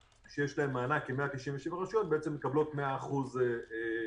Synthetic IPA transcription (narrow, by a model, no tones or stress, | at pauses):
ʃejeʃlae̞mːaːnakeme̞at̪iʃiɱveʃevaʁiʃot̚beet͡semːekablo̞tmeaːχuzee